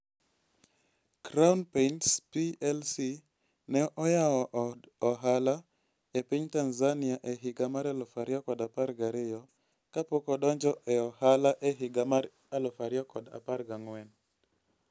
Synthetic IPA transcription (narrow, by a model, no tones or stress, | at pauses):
kɾaunpeintspiɛlsi | nɛʔɔjawɔʔɔɦala | epiɲtanzanɪaʔeɦɪɡamaɾalofaɾjɔkɔdaparɡaɾɪjɔ | kapokɔdɔɲd͡ʒɔʔɛɔhalaʔeɦɪɡamaɾ | alɔfaɾjɔkɔda̰parɡaŋwɛn